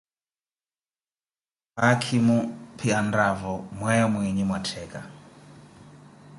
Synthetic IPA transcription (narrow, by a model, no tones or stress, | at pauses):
pakʰimupʰiandavɔmwɛjɔmwiɲimwatʰɛkʼa